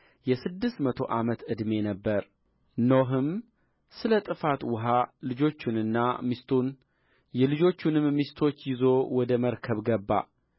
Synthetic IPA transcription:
jɛsɨd̪ːɨst̪mət̪ʰo̞ʔamət̪ɨd̪me̞nəbːəɾ | noɦɨm | sɨlət̪ʼɨfat̪wʊɦalɨd͡ʒo̞t͡ʃːunɨnːamist̪ʰun | jɛlɨd͡ʒo̞t͡ʃːunɨmːist̪ʰo̞t͡ʃːjɪzo̞wɔd̪əməɾkʰəβɡəbːa̰

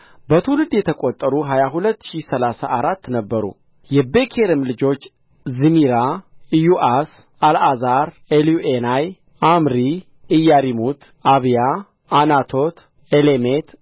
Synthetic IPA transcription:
bət̪ʰulɨd̪jɛt̪ʰəkʼot̪ʼːəɾuɦajaɦulət̪ːʃisəlasaʔaɾat̪ːnəbːəɾṵ | jɛbe̞kʰeɾɨmlɨd͡ʒo̞t͡ʃː | zɨmiɾajuʔas | alazaɾ | eljuʔenaj | amɾi | ɨjːaɾimut̪ | aβja | anat̪ʰo̞t̪ | elemet̪

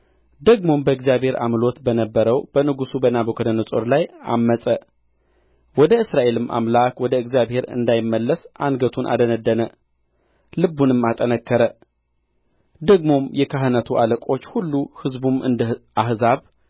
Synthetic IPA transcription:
d̪əɡmo̞mbəɨɡzjaβhe̞ɾʔa̰mlo̞t̪bənəbːəɾəwb̥ənɨɡusubənabəkʰəd̪ənəsʼo̰ɾlaja̰mːəsʼə | wɔd̪əɨsɾaʔe̞lɨmʔa̰mlakwɔd̪əɨɡzjaβhe̞ɾɨ̰nd̪ajɪmːəlːəsʔanɡət̪ʰunʔa̰d̪ənəd̪ːənə | lɨbːunɨmːat̪ʼənəkʰːəɾə | d̪əɡmo̞mjɛkʰaɦɨnət̪ʰuʔaləkʼo̞t͡ʃːhulːuhɨzbumɨ̰nd̪ʔahzaβ

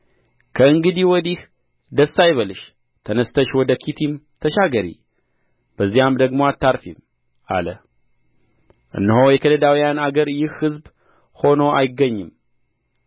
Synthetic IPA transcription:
kʰəɨŋɡɨd̪iwɔd̪ih | d̪əsːajβəlɨʃ | t̪ʰənəst̪ʰəʃwɔd̪əkʰit̪ʰim | t̪ʰəʃaɡəɾḭ | b̥əzːijamd̪əɡmoat̪ʰːaɾfim | ʔa̰lə̰ | ʔɨ̰nːəhojɛkʰələd̪awijanaɡəɾjɪhhɨzb | ho̞no̞ʔajɪɡːəɲːɨm

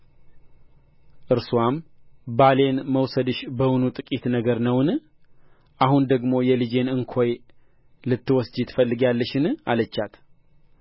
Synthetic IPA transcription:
ʔɨɾsuwambale̞nməwsəd̪ɨʃbəwunut̪ʼɨkʼit̪nəɡəɾnəwɨn | ʔahund̪əɡmo̞jɛlid͡ʒe̞nɨŋkʰo̞j | lɨt̪ːɨwɔsd͡ʒɪt̪fəlːɨɡalːəʃɨna̰lət͡ʃːat̪

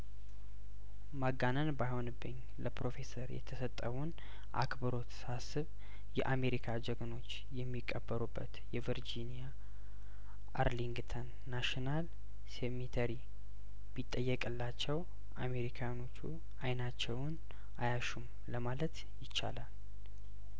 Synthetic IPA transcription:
maɡːanənbajhonɨbːɨɲ | ləpɾo̞fe̞səɾjɛ̰t̪ʰəsət̪ʼːəwun | ʔa̰kbəɾo̞t̪sasɨβ | jɛʔame̞ɾikʰad͡ʒəɡno̞t͡ʃː | jɛmːikʼːəbːəɾubːət̪jɛviɾd͡ʒinija | ʔaɾliŋɡt̪ʰənːaʃinal | semit̪ʰəɾi | bɪt̪ʼːəjːɛkʼɨlːat͡ʃːɛw | ʔame̞ɾikʰajano̞t͡ʃːu | ajnat͡ʃːɛwn | ʔajaʃum | ləmalət̪ | jɪt͡ʃːa̰lal

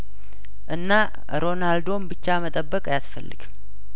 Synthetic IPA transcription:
ʔɨnːa | ɾo̞nald̪o̞mbɨt͡ʃːamət̪ʼəbːəkʼjasfəlːɨ̰ɡ̥

